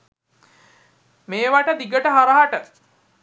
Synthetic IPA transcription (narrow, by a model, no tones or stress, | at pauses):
meːʋaʈəd̪iɡəʈəɦaɾəɦaʈə